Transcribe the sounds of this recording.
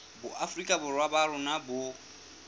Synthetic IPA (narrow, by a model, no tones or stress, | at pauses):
bʊʔafrikʼabʊrwabaɾʊnabʊ